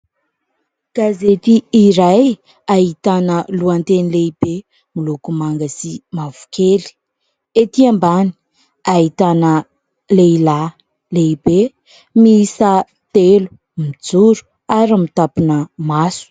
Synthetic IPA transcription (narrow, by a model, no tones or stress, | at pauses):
ɡ̥azet̪iːɾaj | aɦit̪anəluant̪enileib̥e | milukumaŋɡəsimavu̥kʰeli̥ | et̪iambani̥ | aɦit̪anə | leila | leibe | misa | t̪elu̥ | mid͡zuɾu̥ | aɾamit̪apinəmasu̥